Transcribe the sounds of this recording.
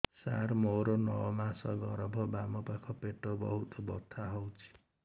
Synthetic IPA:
sa̰ɾmoɾɔnɔmasɔɡɔɾbʱɔbamɔpakʰɔpeʈobɔ̰ɦut̪ɔbɔ̰t̪ʰaɦowt͡ʃʰi̥

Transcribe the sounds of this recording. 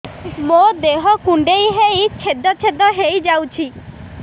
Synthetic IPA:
mod̪eɦɔkuɳɖejɦejt͡ʃʰed̪ɔt͡ʃʰed̪ɔɦejd͡ʒawt͡ʃʰi

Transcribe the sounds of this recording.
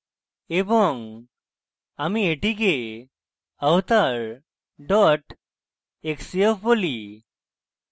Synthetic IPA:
ebɔŋ | amieʈik̬e | awt̪aɾ | ɖɔʈ | eksiefboli

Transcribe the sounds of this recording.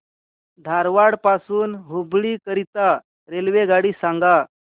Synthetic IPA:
d̪ʱaɾʋaɽpasuːnɦubɭiːkəɾit̪a | ɾelʋeɡaɽiːsãŋɡa

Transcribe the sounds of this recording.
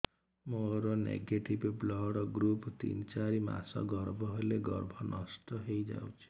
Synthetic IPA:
moɾɔnḛɡeʈibblɔɽɔɡɾupt̪ḭnt͡ʃaɾima̰sɔ̰ɡɔɾbʱɔɦoleɡɔɾbʱɔnʔɔsʈɔɦejd͡ʒa̰wt͡ʃʰi̥

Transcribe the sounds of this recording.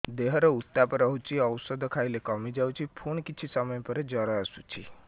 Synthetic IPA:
d̪eɦɔɾɔut̪ːapɔɾɔɦut͡ʃʰiɔwsɔd̪ʱkʰajilekɔmid͡ʒawt͡ʃʰipʰunkit͡ʃʰisɔmɔjpɔɾed͡ʒɔɾɔasut͡ʃʰi

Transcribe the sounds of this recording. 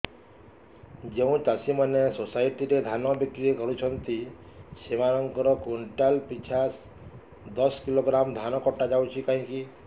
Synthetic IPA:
d͡ʒeũt͡ʃasimɔnesosajʈiɾed̪ʱanɔbjikɾikɔɾut͡ʃʰɔnt̪i | semaɾɔŋkɔɾɔkuɳʈalpit͡ʃʰas | d̪ɔskiloɡɾamd̪ʱanɔkɔʈad͡ʒawt͡ʃʰikaɦĩki

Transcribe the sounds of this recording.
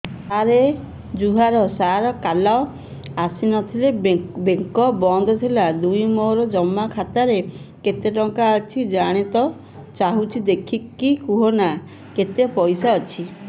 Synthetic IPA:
aɾe | d͡ʒuɦaɾɔsaɾɔkalao | asinɔt̪ʰilebeŋkɔbɔnd̪ʱɔt̪ʰilad̪ujmoɾɔd͡ʒɔmːakʰat̪aɾe | ket̪eʈɔŋkaːt͡ʃʰid͡ʒaɽ̃it̪ɔ | t͡ʃaɦut͡ʃʰid̪ekʰikːikuɦɔna | ket̪epɔjsaɔt͡ʃʰi

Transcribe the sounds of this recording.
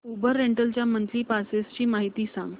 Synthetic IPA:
ubəɾːeɳʈəlt͡ɕjamənt̪liːpasest͡ɕiːmaɦit̪iːsã̰ŋɡ

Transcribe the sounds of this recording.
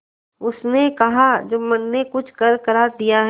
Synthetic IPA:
ʊsnekɐɦad͡ʒoːmɐnːekʊt͡ʃʰkɐɾkɐɾaːɾd̪ijaɦ

